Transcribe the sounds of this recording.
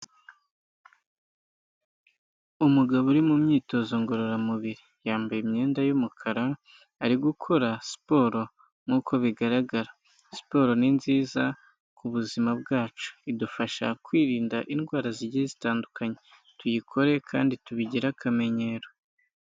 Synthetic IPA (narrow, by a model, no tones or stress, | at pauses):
umuɡaβoɾimumɲiːto̞zo̞ŋɡo̞ɾo̞ɾamuβiɾi | jaːmbajemɲe̞ːndajumukʰaɾaː | ɾiɡukʰo̞ɾasi̥po̞ːɾo̞ | ŋuːkʰo̞βiɡaɾaɡaɾa | si̥po̞ːɾo̞ninziːza | kuβuzimab̚ɡaːt͡ʃu̥idufaʃa̰kwiːɾiːndaʔinɡwaːɾaziɾɟezitaːndukaɲe̞ | tujikʰo̞ɾe̞kʰa̰ːndituβiɟiɾakame̞ɲe̞ːɾo̞